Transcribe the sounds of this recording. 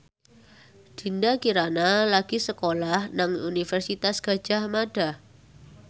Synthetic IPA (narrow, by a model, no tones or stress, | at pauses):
d̪̥i̤ndakiɾanalaɡ̥isəkolahnaŋunifɛrsit̪asɡ̥a̤̥d͡ʒ̥a̤hmaɖ̥a